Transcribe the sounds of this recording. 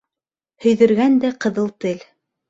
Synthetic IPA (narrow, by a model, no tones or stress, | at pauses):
hɵ̆jðɘ̆ɾɡænd̪æqɤ̆ðɤlˠt̪ɘl